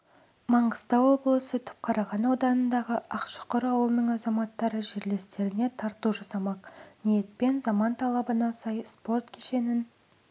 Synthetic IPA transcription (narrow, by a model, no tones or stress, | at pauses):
mɑɴʁəzt̪ɑwo̞blˠəsət̪ʰʏ̥p̚qʰɑɾɑʁɑnɑwd̪ɑnənd̪ɑʁəʔɑqʃə̥qəɾɑwlˠənəɴɑzɑmɑt̪ːɑɾəʒe̞ɾle̞st̪e̞ɾɪne̞t̪ʰɑɾt̪uʒɑsɑmɑqnije̞t̪̚pe̞nzɑmɑnt̪ʰɑlˠɑbənɑsɑjspo̞rt̪kʲʰeʃe̞nɪn